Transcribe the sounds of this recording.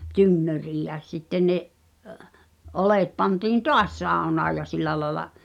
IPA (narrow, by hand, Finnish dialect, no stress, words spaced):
tynːøriːj jæ sitːen̆ neʔ ʔoleˑt pɑntiːn toɑs sɑˑu̞nɑː jɑ silˑæ lɑĕlɑ